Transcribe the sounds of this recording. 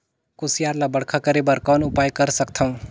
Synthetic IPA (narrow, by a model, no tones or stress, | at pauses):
kusijaɾlabəɽkʰakəɾebəɾkɔnʊpajkəɾsəkt̪ʰʌũ